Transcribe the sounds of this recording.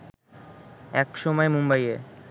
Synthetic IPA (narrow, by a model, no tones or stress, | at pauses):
ɛkʃɔmɔemumbaje